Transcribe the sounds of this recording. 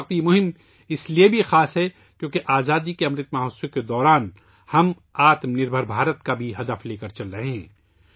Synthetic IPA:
qt̪imʊɦɪm | ɪsliebʱixaːsɦɛ | kjõːkeʔaːzaːd̪ikeɐmɾɪt̪maːɦoːsjõked̪ɔːɾaːn | hɐm | aːt̪mnɪɾbʱəɾbʱaːɾət̪kabʱiɦɐd̪əfleːkɐɾt͡ʃɐlɾɐɦeɦɛ̃ː

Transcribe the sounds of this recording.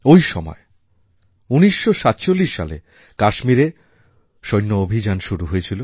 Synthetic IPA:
ojʃɔmɔ̰e | uniʃːoʃat̪t͡ɕolːiʃːa̰le | kaʃmiɾe | ʃojnːoobʱid͡ʑanʃuɾuɦojet͡ɕʰilo

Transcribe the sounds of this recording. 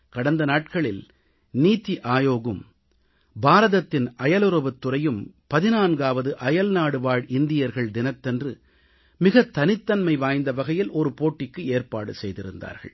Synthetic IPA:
kɐɽɐnd̪ɐnaːʈ̚kɐɭɪl | niːt̪ːiʔaːjoːɣɯm | baːɾɐðɐt̪ːɪnʔɐjɐlɯɾɐʋɯt̪ːɯrɐjɯmpɐðɪnaːnɡaːʋɐðɯʔɐjɐlnaːɽɯʋaːɻɪnd̪ɪjɐɾɣɐɭd̪ɪnɐt̪ːɛndrɯ | mɪɣɐt̪ːɐnɪt̪ːɐnmɐɪʋaːjnd̪ɐʋɐɣɐjɪlɔɾɯpoːʈːɪkːɯeːɾpa̰ːɽɯsɛjðɪɾɯ̰nd̪a̰ːɾɣɐ̰ɭ

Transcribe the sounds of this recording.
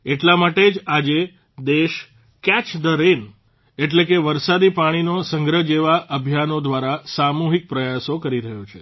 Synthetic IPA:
eʈlamaʈed͡ʒad͡ʒe | d̪eʃ | kɛt͡ʃd̪əɾen | eʈlekeʋəɾsad̪ipaɽ̃inosəŋɡɾəd͡ʒeʋaʔəbʱjanod̪ʋaɾasamuɦik̚pɾəjasokəɾiɾəɦjot͡ʃʰe

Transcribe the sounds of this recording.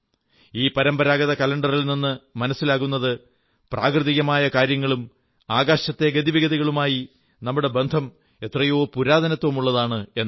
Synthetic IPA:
iːpɐɾɐmbɐɾaːɡɐðɐkɐlɐɳɖɐrilninːɨmɐnɐsːilaːɣunːɐðɨ | pra̰ːkrɨðiɣɐmaːjɐkaːɾjɐŋːɐɭum | aːɡaːɕɐt̪ːe̞ɡɐd̪iʋiɣɐðiɣɐɭumaːji | nɐmːuɽe̞be̞nd̪ʱɐm | e̞t̪rɐjoːpuɾaːd̪ɐnɐt̪ːʋɐmuɭːɐðaːɳɨe̞nː

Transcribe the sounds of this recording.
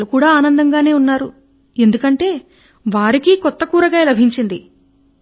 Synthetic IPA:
lukuːɽaːaːnɐnd̪ɐŋɡaːne̞ːunːaːɾu | e̞nd̪ukɐɳʈe̞ː | ʋaːɾikikɔt̪ːɐkuːɾɐɡaːlɐbʱiɲt͡ʃind̪i

